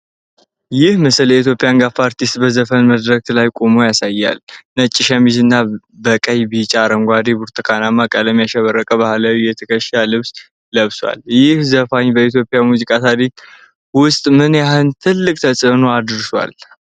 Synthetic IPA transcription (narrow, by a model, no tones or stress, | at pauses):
jɪhməsəljɛit̪̬ʰjo̞pʼijaŋɡafaɾt̪ist̪bəzəfənməd̪ɾək̚t̪lajkʼomo̞jasajːa̰lnət͡ʃʼːɪʃamid͡ʒɨnːa | bəkʼəjbit͡ʃʼaːɾəŋɡʷad̪ebuɾt̪ʰəkʰanamːakʼələmjaʃəβərːəkʼəβahlawijɛt̪ʰəkʰəʃalɨβs | ləβswa̰ljɪhzəfaɲbəit̪jo̞pʼjamuzikʼat̪ʰad̪it̪ | wʊst̪ʼmɨnjaɦɨnt̪ʰɨlːɨkʼt̪ʰəsʼɨnoad̪ɨɾʃwa̰l